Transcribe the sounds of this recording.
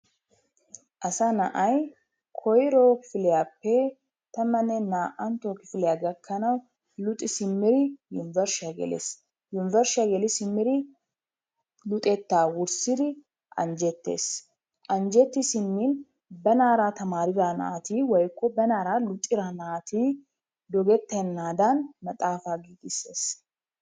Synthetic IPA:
ʔɐsɐnɐʔɐj | kʰɔjɾoːkɪ̥fɪlɪjaːpːɛ | t̪ɐmɐnɛnaːʔɐnt̪oːkɪfɪlɛjaɡɐkʰːɐnɐw | lʊt̪ʼːɪsɪmːɪɾɪjʊnɪvɛɾʃɐɡɛ̰lḛs | jʊnɪvɛɾʃɪaɡɛlɪsɪmːɪɾɪ | lʊt̪ʼɛt̪ːaːwʊɾsɪd̪ɪ | ʔɐ̰nd͡ʒɛt̪ːḛːs | ʔɐnd͡ʒɛt̪ːɪsɪnːiːn | bɛnaːɾaːt̪ɐmaːɾɪdana̰ːt̪iːwɔjkːɔbɛnaːɾaːlʊt̪ʼːɪɾanaːt̪iː | d̪ɔɡɛt̪ːɛnːaːd̪anmɐt̪ʼaːfaːɡiːɡɪse̞ːs

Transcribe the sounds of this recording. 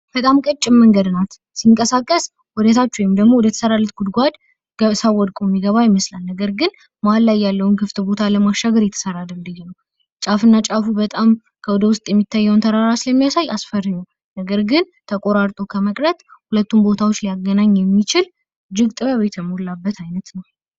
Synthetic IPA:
b̥ət̪ʼamkʼət͡ʃʼːɪmməŋɡəd̪nat̪ | siŋkʼəsakʼːəs | wɔd̪ət̪ʰat͡ʃːujɛmd̪əɡmo̞wɔd̪ət̪ʰə̥səɾalːut̪̚ɡud̪ɡʷad̪ | ɡəsawɔd̪kʼomːiɡəβajɪməslalnəɡəɾɡɨn | malːajːalːəwnkʰɨft̪ʼbo̞t̪ʰaləmaʃːaɡəɾjɛt̪ʰə̥səɾad̪ɨmd̪ihnəw | t͡ʃʼafɨnːat͡ʃʼafubət̪ʼam | kʰəwɔd̪əwʊst̪ʼjɛmːit̪ʰːajːəwnt̪ʰəɾaɾat͡ʃləmːijasajasfəɾɨɲːəw | nəɡəɾɡɨn | t̪ʰəkʼo̞ɾaɾt̪ʼokʰəməkʼɾət̪hulət̪ʰːumbo̞t̪ʰawo̞t͡ʃːliaɡːənaɲːjɛmːit͡ʃɪl | d͡ʒɪɡt̪ʼɨβəβet̪ʰjɛmolːabːət̪ʰajnət̪nəw

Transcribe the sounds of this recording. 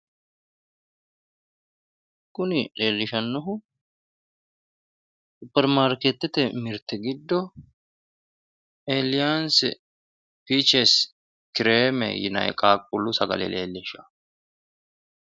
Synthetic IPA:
kːʊnɪle̞ːlːɪʃɐnːɔɦʊ | sʊpːɛɾmaːɾkɛt̪ːɛt̪ɛmɪɾt̪ːɛɡɪd̪ːɔ | eːlɪjaːns | pit͡ʃɛs | kɪɾeːmɛ̰jɪ̰nɐ̰jkʼaːkʼːʊlʊsɐɡɐ̰lɛ̰lḛːlːɪʃɐ

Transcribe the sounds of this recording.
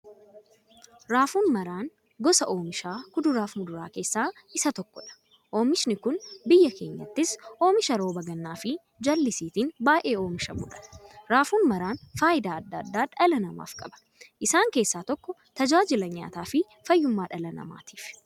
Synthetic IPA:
ɾaːfuːnmɐɾaːn | ɡɔsɐʔo̞ːmɪʃaːkʊd̪ʊɾaːfmʊd̪ʊɾa̰ːke̞ːsːaː | ɪsɐt̪ɔkːɔᶑɐ̥ | ʔo̞ːmɪʃnɪkʊnbɪjːɐke̞ːɲːɐt̪ːɪsʔoːmɪʃɐɾo̞ːbɐɡɐnːaːfɪ | d͡ʒɐlːɪsiːt̪iːnbaːʔe̞ːoːmɪʃɐmʊ̰ᶑɐ̥ɾaːfuːnmɐɾaːnfaːʔɪd̪aːɐd̪ːɐd̪ːaːᶑɐlɐnɐma̰ːfkʼɐbɐ̥ | ʔɪsaːŋke̞ːsːaːt̪ɔkːɔt̪ɐd͡ʒaːd͡ʒɪlɐɲa̰ːt̪aːfɪ | fɐjːʊmːaːᶑɐlɐnɐ̰ma̰ːt̪i̥ːf

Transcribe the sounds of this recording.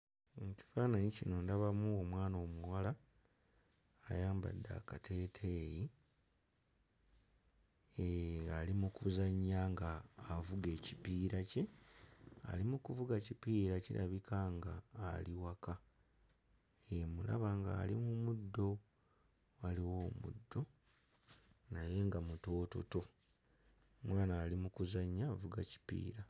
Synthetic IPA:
eci̥faːnanicino̞ndaβamuomwaːnoːmuwala | jaːmba̰dːa̰katʰe̞ːtʰe̞ji | eɾalimukuzaɲːaŋɡaːvuɡe̞ːcipiːɾace̞ | a̰limukuvuɡacipiːɾacḭɾʔa̰βikaŋɡaːliwaka | emula̰βaŋɡa̰ːlimumudːo̞ | waliwo̞ːmṵdːo̞ | naje̞ŋɡamuto̞ːto̞̰to̞ | mwaːnaːlimukuzaɲːaːvuɡaci̥pḭːɾa

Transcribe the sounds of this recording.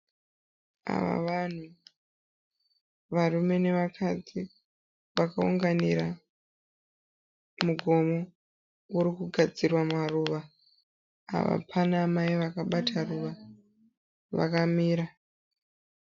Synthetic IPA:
a̰ʋa̰ʋan̤u | ʋarume̞ne̞ʋakʰad͡zi | ʋakauŋɡaniɾa | muɡʱo̞mo̞ | wuɾikuɡʱad͡zirwamaruːʋa | a̰ʋa̰pʰanaːmaiʋakaɓatʰaruʋa | ʋa̰kamiːɾa

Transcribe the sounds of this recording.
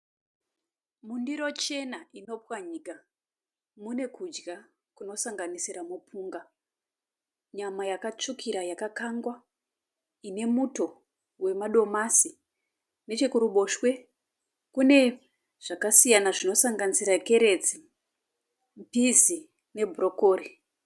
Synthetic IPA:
mundiɾo̞t͡ʃe̞naʔino̞pwaɲika | mune̞kud͡ʒɡa | kuno̞saŋɡanisiɾamupʰuːŋɡa | ɲamajakat͡ʂukʰiɾajakakaŋɡwa | ine̞muto̞ | we̞maɗo̞masi | ne̞t͡ʃekuɾuɓo̞ʃwe̞ | kune̞ | ʐ̥akasijanaʐino̞saŋɡanisiɾake̞ɾe̞d͡zi | mpizi | ne̞bʱuro̞koːri

